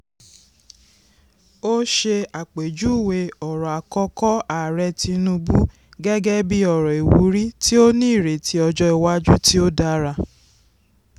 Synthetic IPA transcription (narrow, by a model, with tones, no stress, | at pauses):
o˦ʃe˧a˨k͡pe˨d͡ʒu˨˦˨we˧ɔ˨ɾɔ˨a˨kɔ˧˦kɔ˦a˨ɾɛ˧ti˧nũ˧˦bu˦ | ɡɛ˦ɡɛ˦bi˦ɔ˨ɾɔ˨e˨wṵ˨˦ɾi˦ti˦o˦nĩː˦˨ɾe˨tʰi˦ɔ˧d͡ʒɔ˦i˧wa˦d͡ʒu˦ti˦o˦da˦ɾa˧˨